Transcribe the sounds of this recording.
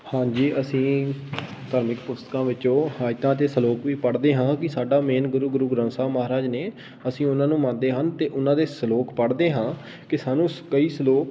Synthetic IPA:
hãːd͡ʒiːʔəsĩː | t̪aːɾmɪkpʊst̪kãːʋɪõːhaːjt̪ãːt̪eːsəloːkʋiːpəɽd̪eːɦãːkɪsaːɖaːmeːnɡʊɾuːɡʊɾuːɡɾə̃nsaːməɦaːɾaːd͡ʒneː | əsĩːʊnãːnũːmãːnd̪eːɦənt̪eːʔʊnãːd̪eːsəloːkpəɽd̪eːɦãː | kɪsaːnũːkəiːsəloːk

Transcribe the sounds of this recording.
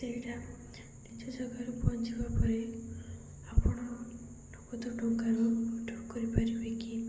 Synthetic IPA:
seʈa | nid͡ʒɔd͡ʒɔɡaɾupɔnt͡ʃibapɔɾe | apɔɽ̃ɔ | ɖʱukɔt̪ɔɖʱuŋkaɾuɔʈʰɔkɔɾipaɾibeki

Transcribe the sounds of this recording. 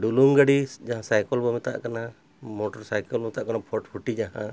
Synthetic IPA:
ɖuluŋɡəɖid͡ʒaɦãsajkɔlbɔmɛt̪a̰ʔkana | mɔʈɔɾsajkəlbɔmɛt̪aʔkanapʰɔʈpʰuʈid͡ʒaɦã

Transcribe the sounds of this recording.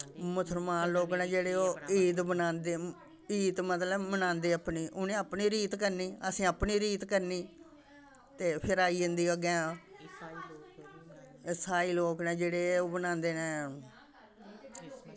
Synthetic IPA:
mʊsəɾmaːnloːknɛ̃ːd͡ʒeːɽeːoːiːt̪bənãːnd̪eː | iːt̪mət̪ləbmənãːnd̪eːəpniːʔʊnẽːəpniːɾiːt̪kəɾniːəsĩːəpniːɾiːt̪kəɾniː | t̪eːpʰɪɾaːiːənd̪iːəɡɛ̃ː | saːiːloːknɛ̃ːd͡ʒeːɽeːoːbənãːnd̪eːnẽː

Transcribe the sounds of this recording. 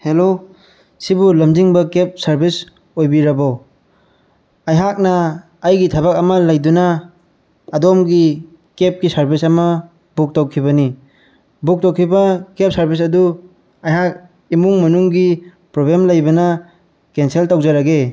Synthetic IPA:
helo | sibulɐmd͡ʒiŋbɐkep̚sɐɾbis | ojbiɾɐba | ajɦak̚nɐː | jɡitʰabakɐmɐlajdunaː | domɡi | kep̚ɡisɐɾbisɐmɐ | buk̚tawkʰibɐni | buk̚tawkʰibɐkep̚sɐɾbis̬ɐdu | ajɦak̚ | imuŋmɐnuŋɡi | pɾoblemlajbɐnɐ | kenseltawzaɾaɡe

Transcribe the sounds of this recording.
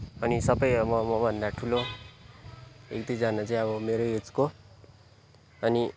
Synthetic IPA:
ʌnisʌbʌjʌmʌmʌbʱʌnd̪aʈʰulo | ḛkd̪id͡zanat͡saĩʌbʌmeɾoet͡sko | ʌni

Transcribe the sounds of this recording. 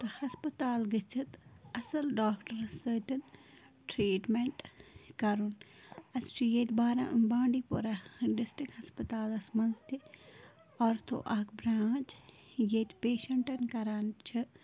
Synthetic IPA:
t̪ɨhɐspɐt̪aːlɡɨt͡ʃʰɨt̪ɐsɐlɖaːkʈɐɾsəːt̪ʲɐn | ʈɾiːʈmeɳʈkɐɾun | ɐst͡ʃʰujeːt̪ʲbaːɾãːʔɨnbaːɳɖipoɾaɖɪsʈɾikhɐspɐt̪aːlɐsmɐnzt̪i | ɔːɾt̪ʰo̰ʔɐːkbɾaːt͡ʃ | jeːt̪ʲpeːʃɐɳʈɐnkɐɾaːnt͡ʃʰɨ

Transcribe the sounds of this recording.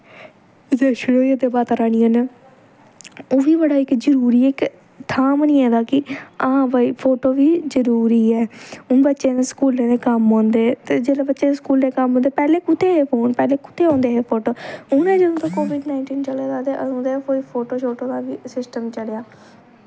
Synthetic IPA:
zeʃɪɽoːied̪eːbaːt̪aɾaːɽ̃iːãːneː | oːʋiːbəɽaːɪkzəɾuːɾiːɛːɪk | t̪ʰaːmnĩːɛ̃ːd̪aːkɪəãːʋaːiːpʰoːʈoːʋiːzəɾuːɾiːɛːʊnbətːʃẽːnẽːskuːlːẽːnẽːkəmɦõːnd̪eːt̪eːd͡ʒeːlẽːbətːʃẽːeskuːlnẽːkəmɦõːnd̪eːpɛːleːkʊt̪ʰːeːɦeːpʰoːnpɛːleːkʊ̥t̪ʰːeːɦõːnd̪eːɦeːpʰoːʈoːʊnẽːd͡ʒəd̪õːt̪ãːkoːʋɪɖnaːɪɳʈiːnt͡ʃəleːd̪aːd̪eːʔəõːd̪eːpoːiːpʰoːʈoːt͡ʃʰoːʈõːd̪ãːʋiːsɪsʈəmt͡ʃəlejaː

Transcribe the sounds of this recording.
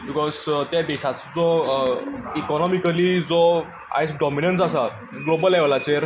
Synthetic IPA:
bikɔzt̪jad̪ɛɕat͡sd͡zɔ | ikɔnɔmikəlid͡zɔ | a̰jt͡sɖɔminənsasa | ɡlobəlɛʋlat͡seɾ

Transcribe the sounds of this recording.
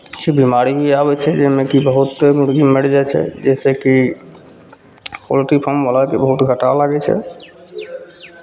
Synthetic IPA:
t͡ʃʰibimaɾiɦieabɛt͡ʃʰɛd͡ʒemekibəɦut̪ːemuɽɡimeɽd͡ʒajt͡ʃʰɛ̰d͡ʒeseki | ko̰lʈipʰɔɾmbalakebəɦut̪ɡʱəʈalaɡɛt͡ʃʰɛ̰

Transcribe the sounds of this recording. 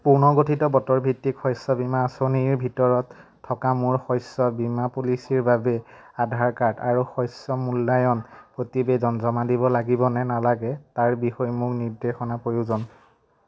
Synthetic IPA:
puɹnɔɡotʰitɔbɔtɔɹbʱitːikʰɔjsɔbimaːsoniɹbʱitɔɹɔtʰː | ɔkamuɹxɔjsɔbimapulisiɹbabɛ | adʱaɹkaɹtaɹuxɔjsɔmulːajɔnpɹotibedɔnzɔmadibɔlaɡibɔnɛnalaɡɛtaɹbixɔjmʊɹniɹdexɔnapojuzɔn

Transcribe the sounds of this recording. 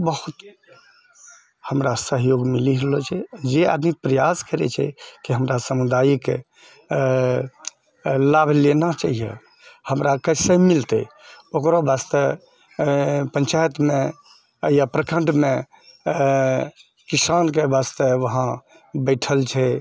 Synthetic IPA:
bəhut̪ | həmɾasəɦjoɡmiliɦlɔt͡ʃʰɛd͡ʒea̰d̪nipɾəjaskəɾɛ̰t͡ʃʰɛ̰kiɦəmɾasəmud̪ajkḛ | labʱlenat͡ʃaɦijɛ̰ | həmɾakəsəmilt̪ɛ̰okɾobast̪ə | pə̃nt͡ʃajət̪me | japɾəkəɳɖme | kisank̬ebast̪əʋəɦã | bəɪʈʰəlt͡ʃʰɛ

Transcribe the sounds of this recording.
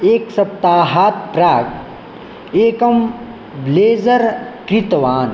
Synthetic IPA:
eːksɐp̚t̪aːɦaːt̪̚pɾaːɡ | eːkɐm | bleːzɐɾkɾit̪ʋaːn

